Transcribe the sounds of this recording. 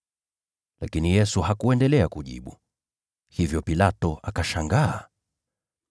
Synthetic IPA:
lakinijɛsuhakuɛndɛlɛakuʄḭɓu | hivjɔpilatɔʔakaʃaŋɡaː

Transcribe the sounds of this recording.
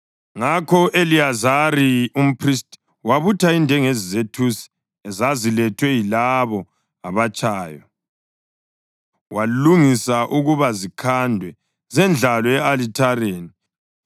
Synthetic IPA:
ŋakʰɔʔeliazaɾium̩pʰrist | waβutʰaindʱɛŋezizetʰusi̥ | ɛzazilɛtʰwɛjilaβɔ | aβat͡ʃʼaːjɔ | waluŋisaʔuɣuβazikʰandʱwɛ | zɛnd͡ɮʱalɔɛalitʰareːni

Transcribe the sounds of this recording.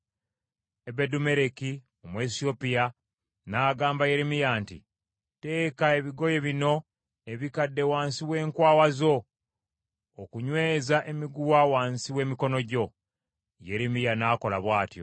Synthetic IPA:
ebedume̞ɾeki | omwesio̞pija | naːɡaːmbaje̞ɾemijaːntḭ | te̞ːkae̞βiɡo̞je̞βino̞ | eβikadːe̞waːnsiwe̞ːŋkwaːwazo̞ | okuɲwe̞ːzaʔe̞miɡuwawaːnsiwe̞ːmiko̞no̞ɟo̞ | je̞ɾemijanaːko̞laβwaːtjo̞̰

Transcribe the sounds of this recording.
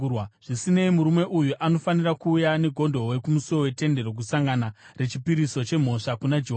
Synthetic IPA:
wʐ̥isine̞imuɾume̞ʔujuʔano̞fanirakuːjane̞ɡʱo̞ndo̞we̞kumusuo̞we̞te̞nde̞ɾo̞k̬usaŋɡanare̞t͡ʃipiɾiso̞t͡ʃe̞m̤o̞ʂakunad͡ʒeɦo

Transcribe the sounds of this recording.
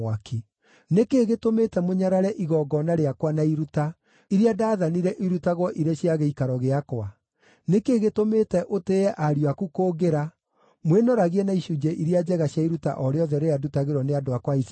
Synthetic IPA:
akʰe | nekeɣetometɛmoɲaɾaɾɛʔiɣɔːɡɔnaɾeakwanaiɾuta | iɾiadaːðaniɾɛʔiɾutaɣwɔʔiɾeɕjaɣeikaɾɔɣeakwa | nekeːɣetometɛʔoteɛʔaɾiwakukoːɡeɾa | mwenɔɾaɣiɛnaiʃud͡ʒɛʔiɾiad͡ʒɛɣaɕjaiɾuta̰ʔɔɾeɔðɛɾeadutaɣeɾwɔneadoakwais

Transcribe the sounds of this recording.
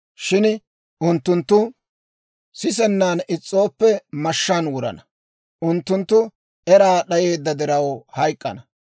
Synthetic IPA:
ʃɪn | ʔʊnt̪ːʊnt̪ːʊ | sɪs̬ɛnːaːnɪt͡sʼːo̞ːpːɛmɐʃːaːnwʊɾɐ̰nɐ | ʔʊnt̪ːʊnt̪ːʊ | ɛɾaːɗɐje̞ːd̪ːɐd̪ɪɾɐwhɐjkʼːɐnɐ

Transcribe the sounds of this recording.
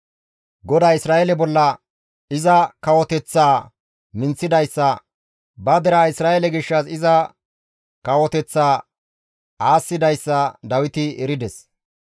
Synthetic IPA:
ɡɔd̪aːɪsɾaːʔɛlɛbɔlːɐ | ɪzɐkɐwɔt̪ɛt͡sːaː | mɪnt͡sːɪd̪ɐjsːɐ | bɐd̪ɛɾaːɪsɾaːʔɛlɛɡɪʃːɐsɪzɐ | kɐwɔt̪ɛt͡sːaː | aːsːɪd̪ɐjsːɐd̪ɐwɪt̪ɪɛɾɪd̪ɛs

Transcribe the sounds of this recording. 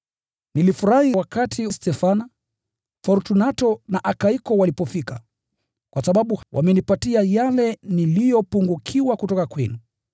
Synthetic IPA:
nilifuɾahiwakatʰistɛfana | fɔɾtunatɔnaʔakaikɔwalipɔfika | kwasaɓaɓuwʔa̰mɛnipatiajalɛnilijɔpuŋɡukʰiwakutɔkakwɛnu

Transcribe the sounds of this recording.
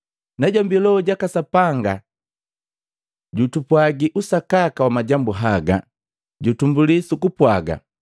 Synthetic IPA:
naɟambilɔɟakasapaŋɡa | ɟutupwaɡiʔusakakawamaɟambuɦaɡa̰ | ɟutumbulisukupwaɡa̰

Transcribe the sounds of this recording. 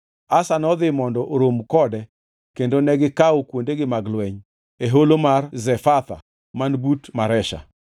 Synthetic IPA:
asanɔd̪ɪmɔndɔʔoɾomkɔdɛ | kendonɛɡɪkaokwondeɡɪmaɡlwɛɲ | eɦolomarzɛfat̪a̰ | manbutmaɾɛʃa̰

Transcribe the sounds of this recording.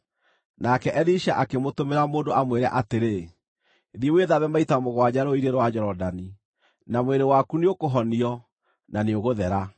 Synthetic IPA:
nakɛʔɛliʃaʔakemotomeɾamoːndoʔamweɾɛ̰ʔateɾe | ðieweðaβɛmaitamoɣwad͡ʑaɾoiɾeɾwad͡ʑɛɾɔdani | namweɾewakuneokoɦɔniɔ | naneoɣoðɛɾa

